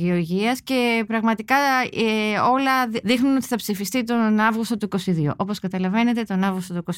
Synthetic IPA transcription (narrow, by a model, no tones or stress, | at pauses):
eo̞ɾʝiɐsce̞pɾɐɣmɐt̪ikɐ | o̞lɐðixnuno̞t̪i̥θɐpsifist̪it̪o̞nɐvɣust̪o̞t̪uiko̞siðiṵʔopo̞skɐt̪ɐlɐve̞ne̞t̪e̞t̪o̞nɐvɣust̪ot̪uikos